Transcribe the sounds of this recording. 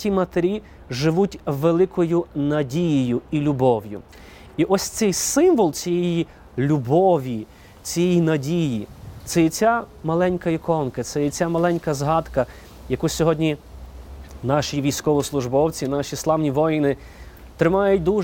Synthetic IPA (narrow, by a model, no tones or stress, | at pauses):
tʲimɐt̪eɾʲi | ʒɪʋutʲʋelˠɪkɔjʊnɐdʲijijʊilʲʊbɔwjʊ̰ | iʔɔsʲt̪sɛjsɪmʋɔlˠt͡sʲijɛji | lʲubɔʋʲi | t͡sʲijɛjinɐdʲijit̪sɛjit͡sʲamɐlˠɛnʲkɐikɔnkɐt̪sɛjit͡sʲamɐlˠɛnʲkɐzɦɑd̪kɐ | jɐkusʲɔɦɔdʲnʲi | nɑʃʲiʋʲijsʲkɔʋɔslˠʊʒbɔwt͡sʲinɑʃʲislˠɑʋnʲiʋɔjnɪ | t̪ɾɪmɑjʊt̚ʲd̪u